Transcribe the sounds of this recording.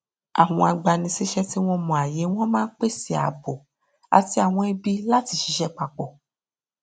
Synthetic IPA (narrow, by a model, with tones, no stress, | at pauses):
a̰˨ɦɔ̰̃˨a˨ɡ͡ba˨nĩ˧si˦ʃɛ˦ti˦w̃ɔ̃˦mɔ̃˨a˨je˨˦w̃ɔ̃˦mãː˦k͡pe˦si˨a̰˨bo˨ | a̰˨ti˦a˨w̃ɔ̃˧˦e˦bi˦la˦ti˧ʃi˧˦ʃɛ˦k͡pa˨k͡pɔ˨